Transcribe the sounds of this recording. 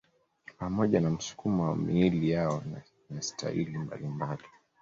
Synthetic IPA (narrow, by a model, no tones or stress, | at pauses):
pamɔʄanam̩su̥kʰumɔwamiilijaɔn | nastʰa̰ilimba̰limbali